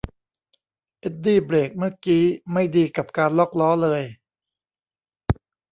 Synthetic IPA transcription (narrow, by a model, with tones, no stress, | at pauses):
ʔe˦˥t̪̚diː˥˩bɾeː˨˩k̚mɯ˥˩ɐkiː˦˥ma˥˩jdiː˧ka˨˩p̚kaː˧nlɔː˥˩k̚lɔː˦˥lɤː˧j